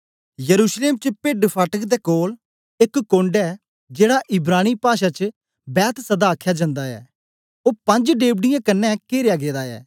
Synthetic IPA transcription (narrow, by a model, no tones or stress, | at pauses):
jəɾuːʃleːmt͡ʃəpeːɖpʰaːʈəkd̪ɛːkoːl | ɪkːõːɳɖɛː | d͡ʒeːɽaːʔɪbɾaːniːpaːʃaːt͡ʃ | bɛːt̪ʰsəd̪aːkʰːjaːd͡ʒə̃nd̪aːɛ̰ː | oːpə̃ɲd͡ʒɖeːbɖɪjãːkənːɛkeːɾɪjaːɡeːd̪aːɛ̰ː